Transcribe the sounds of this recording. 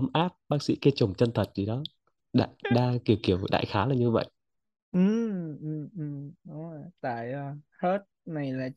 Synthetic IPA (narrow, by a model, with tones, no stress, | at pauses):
ə˨˦mʔaː˦˥p̚ɓaː˦˥k̚sḭ˧˥ke˨˧˦t͡ɕʊ˨˩ŋ͡mt͡ɕə˧nt̪ʰə˨˩t̚zi˨˩ɗɔ˨˦ | ɗa̰ː˧˨jɗaː˧ki˧˩əwki˧˩əwvjɗa̰ː˧˨jxaː˨˦laː˨˩ɲɨ˧və̰˧˨jʔ | ʔɨ˨˩mʔɨ˨˧˩mʔɨ˨˩mɗʊ˨˦ŋ͡mə˨˩jt̪a̰ː˧˨jə˨˩hə˦˥t̚na˨˩jlaː˨˩